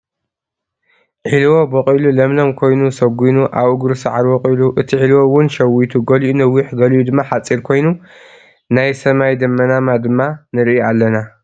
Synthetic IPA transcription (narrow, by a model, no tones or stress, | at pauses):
ʕilwo̞bɐqʼilulɐmlɐmkʰo̞jnusɐɡʷinuʔaβuɡɾsaʕaɾwoqʼiluʔɨt̪ʰiʕilwowʊnʃɐwit̪ʰuɡɐlʔunɐwːiħɡɐlʔud̪ɨmːaħat͡sʼːiɾkʰo̞jnu | najsɐmajd̪ɐmːɐnamad̪ɨmːanɨɾʔialːɐna